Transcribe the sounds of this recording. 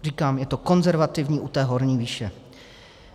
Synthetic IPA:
riːkaːmjɛt̪o̞ko̞nzɛɾvat̪ɪvɲiːʔut̪ɛːɦo̞ɾɲiːviːʃɛ

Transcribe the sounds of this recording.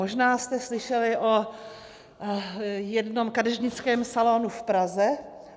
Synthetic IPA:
oʒnaːst̪ɛslɪʃɛlɪʔo | jɛdnomkadɛʒɲɪt͡skɛːmsalonufpɾazɛ

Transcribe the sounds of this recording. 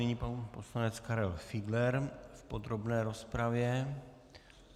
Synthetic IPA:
ɛɲipposlanɛt̪t͡skaɾɛlfiɡlɛɾfpod̪ɾobnɛːɾo̞spɾavjɛ

